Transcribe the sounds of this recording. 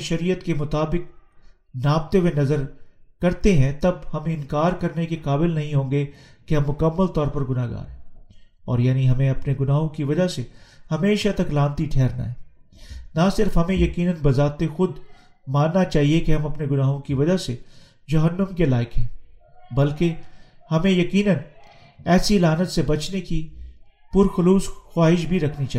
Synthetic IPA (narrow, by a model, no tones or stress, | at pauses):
ʃɐɾiːjət̪kemʊt̪aːbɪk̚ | naːb̚t̪ewenɐzəɾkɐɾt̪eɦɛ̃t̪ɐbhɐmeɪ̃nkaːɾkɐɾnekekaːbɪlnɐɦĩɦõːŋɡekeɦɐ̃mːʊkɐmːəlt̪ɔːɾpɐɾɡʊnaːɡa̰ːɾɦɛ̃ː | ɔ̰ːɾjaːniɦɐmẽɐpneɡʊnaːɦõkiʋɐd͡ʒasehɐmeːʃat̪ɐklãːnt̪iʈʰɛːɾna̰ɦɛːnasɪɾfɦɐmẽjɐkiːnənbɐzaːt̪exʊd̪ | maːnːat͡ʃaːɦiekeɦɐ̃mɐpneɡʊnaːɦõkiʋɐd͡ʒase | d͡ʒɐɦənːəmkelaːɪkɦɛ̃ːbɐlkehɐmẽjɐkiːnən | ɛːsilaːnət̪sebɐt͡ʃnekipʊɾxʊluːsxwaːɦɪʃbʱiɾɐkʰnit͡ʃaː